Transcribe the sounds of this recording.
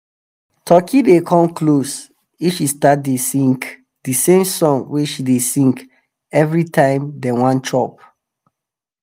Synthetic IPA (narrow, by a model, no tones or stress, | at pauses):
tʰɔkʰidekʰɔ̃mklos | ifʃistat̚desĩŋk | disẽmsɔ̃ŋweʃidesĩŋk | ɛvɹitʰãɪ̃mdɛwãnt͡ʃʰɔp̚